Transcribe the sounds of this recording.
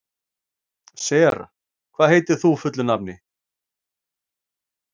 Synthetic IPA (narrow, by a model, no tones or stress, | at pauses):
sɛɾa̰ | kʰvaðhɦeːjt̪ɪ̥θufʏt̪lʏnapnɪ